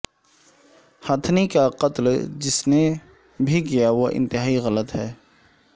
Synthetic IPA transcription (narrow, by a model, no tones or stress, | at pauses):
hət̪ʰnikaqət̪ld͡ʒɪsne | bʱikijaʋoʔɪ̰̃nt̪ɪɦaːiɣɐlət̪ɦɛː